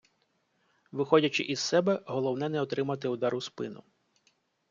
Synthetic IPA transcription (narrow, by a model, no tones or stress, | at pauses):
ʋɪxɔdʲɐt͡ʃɪʔizsɛbɛɦɔlˠɔwnɛnɛɔt̪ɾɪmɐt̪ɪʊd̪ɑɾʊspɪnʊ̰